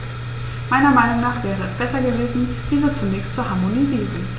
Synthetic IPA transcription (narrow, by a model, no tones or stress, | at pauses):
maɪnɐmaɪnʊŋnaːχvɛːʁəɛsb̥ɛsɐɡəveːzn̩ | v̥iːzeːt͡sunɛkçstz̥oɦaːmoniziːənvɪl